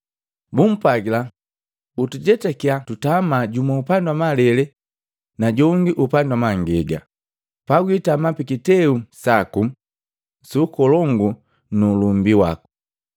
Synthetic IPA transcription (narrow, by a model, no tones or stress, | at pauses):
bum̩paɡila | utuɟɛtɛkiatutamaɟumaupandwamalɛlɛ | naɟɔŋɡiʔupandwamaŋɡɛɡa̰ | paɡwitamapikitɛusaku | suːkɔlɔŋɡu | nulumbiwa̰ku̥